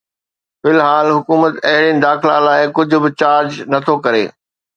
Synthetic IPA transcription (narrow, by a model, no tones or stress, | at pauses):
fɪlɦaːlɦʊkuːmət̪ɐɦɪɽinɪ̆d̪aːxɪla̰laːɪkʊd͡ʑʱʊ̆bɪt͡ɕaːɾd͡ʑnɐt̪ʰokɐɾḛː